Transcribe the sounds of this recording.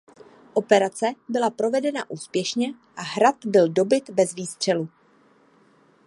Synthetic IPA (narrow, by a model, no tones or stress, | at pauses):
ʔo̞pɛɾat͡sɛbɪlapɾo̞vɛdɛnaʔuːspjɛʃɲɛ | ʔaɦɾat̪bɪldo̞bɪt̪bɛzviːst̪r̝̥ɛlu